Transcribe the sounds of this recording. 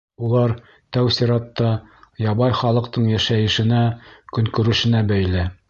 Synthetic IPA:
ulˠɑɾ | t̪æwsiɾɑt̪ːɑjɑbɑjχɑlˠɤ̆qt̪ɤɴjæʃæjɘ̆ʃɘ̆nækɵ̆ŋkɵ̆ɾɘ̆ʃɘ̆næbæjlɘ

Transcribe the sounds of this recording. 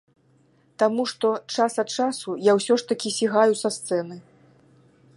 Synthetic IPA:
t̪amuʂt̪ɔt͡ʂasɐt̪̚t͡ʂasujawsʲɔʂt̪ɐkʲisʲiɣajusɐst̪sɛnɨ

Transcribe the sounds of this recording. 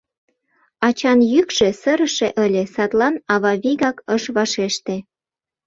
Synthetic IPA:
ɑt͡ɕɑnjykʃesəɾə̆ʃeʔə̆lʲesɑt̪lɑnɑβɑβiɣɑkəʃβɑʃeʃt̪e

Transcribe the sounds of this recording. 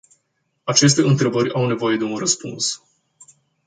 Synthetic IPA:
at͡ʃe̞s̬t̪e̞ɨnt̪ɾe̞bəɾʲawne̞vo̞je̞d̪e̞unrəspuns

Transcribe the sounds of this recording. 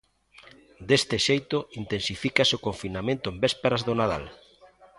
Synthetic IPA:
d̪est̪ɪʃejt̪ʊint̪ensifikasokoɱfinamẽnt̪ʊembespeɾazðonað̞a̰l

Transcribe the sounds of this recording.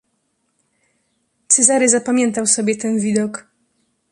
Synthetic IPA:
t̪sɛzaɾɛzapamʲjɛnt̪awsɔbʲjɛt̪ɛnvʲid̪ɔk

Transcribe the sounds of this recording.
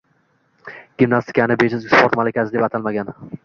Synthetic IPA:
ɡ̥ʲɪmnast̪ʰɪ̥kʲʰanɪbeʃɪzspʰoɾt̪malɪkʲʰasɪd̪epat̪ʰalmaɡʲan

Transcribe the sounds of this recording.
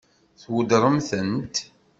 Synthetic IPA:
θwəd̪ɾˤəmθənt̪

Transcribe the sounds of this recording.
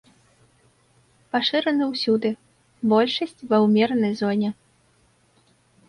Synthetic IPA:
paʂɨɾɐnɨwsʲud̪ɨ | bɔlʲʂɐsʲt͡sʲvɐwmʲɛɾnɐjzɔnʲɛ

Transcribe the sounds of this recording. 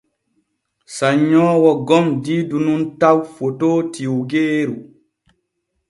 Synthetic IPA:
saɲːɔːwɔɡɔmdiːdununtawfotoːtiwɡeːɾu

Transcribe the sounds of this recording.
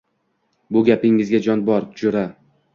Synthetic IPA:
bʊɡʲapɪŋːɪzɡʲad͡ʒɒnbɒɾt̪ʰʊd͡ʒʊɾa

